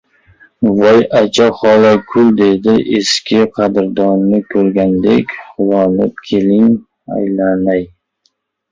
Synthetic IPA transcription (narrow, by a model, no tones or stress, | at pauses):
vɒjat͡ʃʰaχɒlakʰʊlˠd̪e̞d̪ɪʔeskʲʰɪqʰɑd̪ɪɾd̪ɒnnɪkʰɵɾɡʲand̪ḛkʲχʊwɒnɪp̚kʲʰe̞lɪŋ | a̰jlanaj